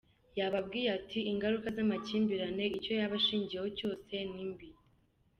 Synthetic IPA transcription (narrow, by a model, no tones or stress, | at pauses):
jaβab̚ɡiːjatʰiiŋɡaɾukazamaciːmbiɾane̞ico̞jaβaʃiːɲɟijeho̞co̞ːse̞nimbi